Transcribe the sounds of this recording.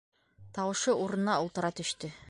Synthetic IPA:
t̪ɑwɤ̆ʃɤuɾɤ̆nnɑŏlˠt̪ɤ̆ɾɑt̪ɵ̆ʃt̪ɵ

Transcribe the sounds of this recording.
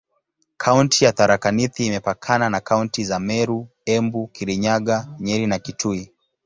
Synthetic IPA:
kʰauntijaθaɾakaniθiːmɛpakʰananakauntizamɛɾu | ɛmbukiɾiɲaɠaɲɛɾinakitʰui

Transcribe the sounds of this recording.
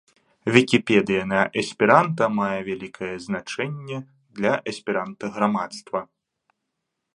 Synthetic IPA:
vʲikʲipʲɛd̪ɨjɐnɐʔɐsʲpʲiɾant̪ɐmajɛvʲalʲikʰɐjɛznat͡ʂɛnʲːɛ | d̪lʲɐʔɐsʲpʲiɾant̪ɐɣɾamat̪st̪vɐ

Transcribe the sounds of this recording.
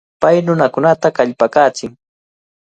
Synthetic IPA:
pajnʊnakʊnat̪akaʎpakaːt͡sɪŋ

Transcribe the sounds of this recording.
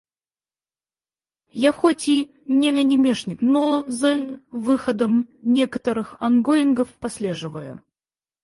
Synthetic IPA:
jaxɔt͡sʲi | nʲɛlʲɐnʲɛmʲɛʂnʲiknɔzɛlʲvɨxɐd̪əmnʲɛkɐt̪əɾɨxɐnɡɔinɡɐfpasʲlʲɛʐɨvəjṵ

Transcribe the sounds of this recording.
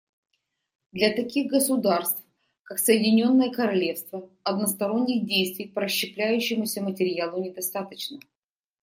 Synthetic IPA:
d̪lʲɐt̪ɐkʲiɣɡəsʊd̪arst̪f | kaksəjɪdʲɪnʲo̞nːəjəkəɾɐlʲe̞fst̪vəɐd̪nəst̪ɐɾo̞nʲːɪɣdʲejst̪vʲɪjpəɾəɕːɪplʲæjʉɕːɪmʊsʲəmətʲɪɾʲɪjalˠʊnʲɪd̪ɐst̪at̪ət͡ɕnə

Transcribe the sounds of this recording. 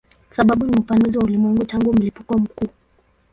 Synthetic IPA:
saɓaɓunifanuziwaulimwɛŋɡutaŋɡum̩lipukɔm̩kuː

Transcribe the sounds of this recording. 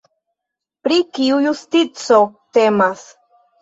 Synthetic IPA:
pɾikiujust̪it͡so̞t̪e̞mas

